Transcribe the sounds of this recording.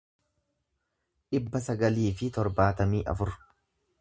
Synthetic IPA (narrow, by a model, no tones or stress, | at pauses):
ᶑɪbːɐsɐɡɐliːfɪt̪ɔɾbaːt̪ɐmiːʔɐ̰fʊɾ